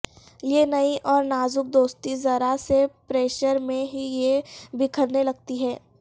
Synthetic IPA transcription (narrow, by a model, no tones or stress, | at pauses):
jenɐiʔɔːɾnaːzʊk̚d̪oːst̪izɐɾasepɾeːʃəɾmẽɦijebɪkʰəɾnelɐɡ̚t̪iɦɛː